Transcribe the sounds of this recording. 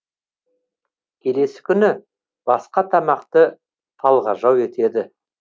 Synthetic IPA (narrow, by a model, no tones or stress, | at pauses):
kʲʰe̞le̞sɪ̥kʲʰʏnɪ | b̥ɑsqɑt̪ʰɑmɑqt̪ə | t̪ʰɑlˠʁɑʒɑwe̞t̪e̞d̪ɪ